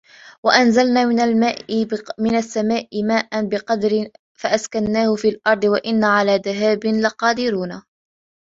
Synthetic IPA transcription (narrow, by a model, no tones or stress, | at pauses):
waʔanzalnaːnlmaːmɪnasːamaːʔɪmaːʔanbɪqɑd̪ɾɪ | faʔaskanːaːhʊfiːlʔɑɾˤd̪ˤɨwaʔɪnːaːʕalaːd̪aɦaːbɪnlaqɑːd̪ɪɾuːnaː